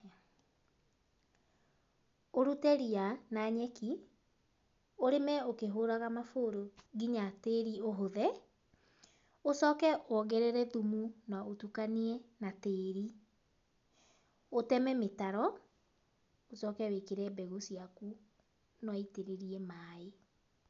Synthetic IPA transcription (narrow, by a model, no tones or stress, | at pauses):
oɾutɛɾianaɲɛki | oɾemɛokeɦoɾaɣamafoːɾoɣiɲateɾioɦoðɛ | osɔkɛʔwɔɣɛɾeɾɛðumunaotukaniɛnateːɾi | otɛmɛmetaɾɔ | osɔkɛwekeɾɛbɛɣosiaku | nɔiteɾeɾiɛmaːe